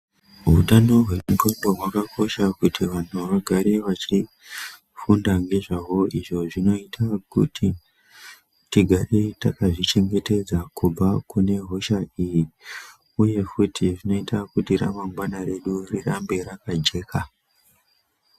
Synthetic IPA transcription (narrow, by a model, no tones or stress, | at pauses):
ɦutano̞ɦwe̞mukondo̞ɦwakako̞ʃakutʰiʋantʰuʋaɡʱaɾeʋat͡ʃi | fundaŋɡe̞ʐawo̞iʐo̞ʐino̞itʰakṵtʰi | tiɡʱaretakaʐit͡ʃe̞ŋɡe̞te̞d͡zakub͡vakune̞ɦo̞ʃaiji | uje̞futʰiʐino̞itakutiɾa̰maŋɡwanaɾe̞ɗurirambe̞ɾakad͡ʒe̞ːka